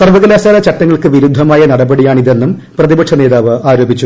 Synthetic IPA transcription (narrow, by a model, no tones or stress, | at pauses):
sɐrʋɐɣɐlaːsaːlɐt͡ɕɐʈːɐŋːɐɭkɨʋiɾud̪ʱːɐmaːjɐnɐɽɐbɐɽijaːɳiðe̞nːum | prɐðibɐkʂɐne̞ːðaːʋɨaːɾo̞ːbʱit͡ɕːu